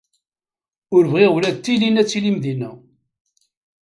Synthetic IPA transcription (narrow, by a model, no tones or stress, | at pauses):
ʊɾəvʁɪʁwlæðt̪ːilinæt͡sːilimðinæ